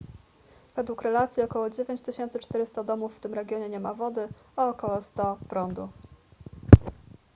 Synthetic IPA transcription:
v̥ɛd̪wukɾɛlat̪sʲjiɔkɔwɔd͡ʑevʲjeɲt͡ɕt̪ɘɕɛnt̪sɘt͡ʂt̪ɛɾɘst̪ad̪ɔmufːt̪ɘmɾɛɡʲjɔɲɛɲɛmavɔd̪ɘaːkɔwɔst̪ɔpɾɔnd̪u

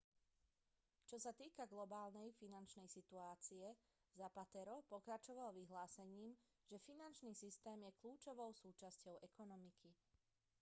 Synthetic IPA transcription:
t͡ʃɔsat̪iːkaɡlɔbaːlnɛjfinant͡ʃnɛjsit̪uaːt͡siɛ | zapat̪ɛɾɔpɔkɾat͡ʃɔʋalʋiɦlaːsɛɲiːm | ʒ̥ɛfinant͡ʃniːsist̪ɛːmjɛkluːt͡ʃɔʋɔʊsuːt͡ʃascɔʊɛkɔnɔmikʰi

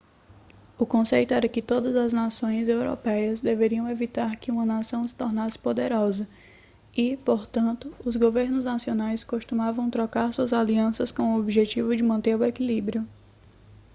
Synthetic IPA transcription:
ʊkõsejt̪ʊɛɾɐkɪt̪od̪ɐzɐznasõj̃zewɾo̰pɛjɐzd̪eveɾiɐ̃w̃evit̪aɾkɪũmɐnasɐ̃w̃sɪ̥t̪ɔɾnasɪ̥pod̪eɾɔzɐ | ɪpoɾt̪ɐ̃nt̪ʊːzɡoveɾnʊznasionajskoʃt̪ũmavɐ̃w̃t̪ɾɔkaɾsuɐzaliɐ̃sɐskõw̃ʊobiʒet͡ʃivʊd͡ʒɪmɐ̃nt̪eɾʊekilibɾiʊ

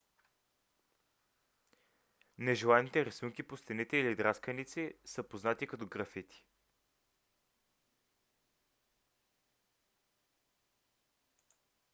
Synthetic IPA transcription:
nɛʒɛlˠanit̪ɛɾɐsuŋkipost̪ɛnit̪ɛilid̪ɾaskənit̪sisəpoznat̪ikɐt̪ɔɡɾɐfit̪i̥

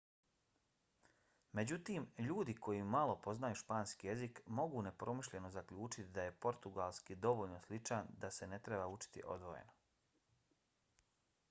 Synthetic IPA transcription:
me̞d͡ʑut̪iːmʎuːd̪iko̞jimalo̞po̞znajuʃpaːnskije̞zikmo̞ɡuːne̞pɾo̞miʃʎe̞no̞zakʎuːt͡ʃit̪id̪aje̞po̞ɾt̪uɡalˠskid̪o̞ʋoʎnoslit͡ʃand̪ase̞ne̞t̪ɾe̞baut͡ʃi̥t̪ḭʔo̞̰d̪ʋo̞̰jḛno

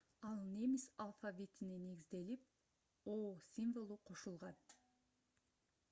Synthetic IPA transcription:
ɑlˠnemisalˠfavʲit̪ɪnine̞ɡʲizd̪e̞lip̚ | osʲinvolˠuqʰo̞ʃulˠʁɑn

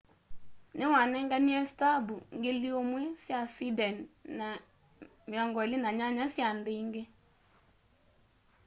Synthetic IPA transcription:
newanɛŋɡaniɛsitabuŋɡeliomwɛsjaswidɛnna | mjɔŋɡɔelenaɲaɲasjandeiŋɡe

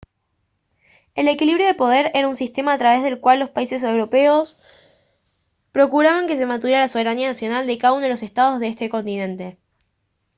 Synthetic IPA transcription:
e̞le̞kiliβɾjo̞ðepo̞ð̞eɾeɾaunsist̪e̞maːt̪ɾaβe̞zðe̞lkwalːo̞spaise̞s̬ewɾo̞pe̞os | pɾo̞kuɾaβaŋke̞s̬e̞mat̪̬uðjeɾalasoβ̞e̞ɾanianasjo̞nald̪ekaðaunoelo̞sest̪aðo̞zðeest̪e̞ko̞nt̪inẽ̞nt̪e̞

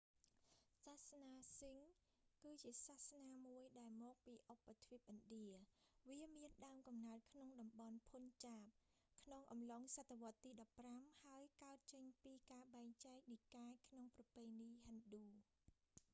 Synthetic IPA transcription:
sahsnaːsiŋ | kɨːt͡ɕiəsaːhsnaːmuəjɗaɛlmɔːk̚piːʔopːat̪ʰʋiəp̚ʔɑnɗiəʋiəmiənɗaəmkɑmnaət̪̚kʰnoŋɗɑmɓɑnpʰunt͡ɕaːp̚ | kʰnoŋʔɑmloŋsat̪ːeʋŏət̪ːiːɗɑpːramhaəjkaət̪̚t͡ɕəɲpiːkaːɓaɛŋt͡ɕaɛk̚nikaːkʰnoŋprɑpeːniːɦanɗuː

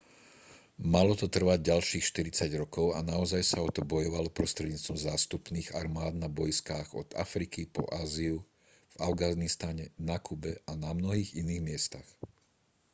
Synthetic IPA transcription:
malɔt̪ɔt̪r̩ʋaɟ̚ɟalʃiːxʃt̪iɾit͡saɟɾɔkɔʊa̰naɔzajsaɔt̪ɔbɔjɔʋalɔpɾɔst̪ɾɛd̪ɲiːt͡st̪ɔmzaːst̪upniːɣa̰ɾmaːd̪nabɔjskaːɣɔd̪̥a̰fɾikipɔ̰ʔaːziu | v̥avɡanist̪aɲɛnakubɛanamnɔɦiːɣiniːɣmɪɛst̪ax

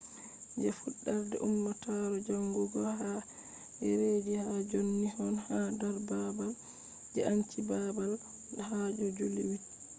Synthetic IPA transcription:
d͡ʒɛfuɗːaɾdɛ̰ʔumːataɾɔd͡ʒaŋɡuɡɔha | ɛɾed͡ʒihad͡ʒonːihɔnhadaɾbabal | d͡ʒɛant͡ʃibabal | ɗhad͡ʒɔd͡ʒuliwit

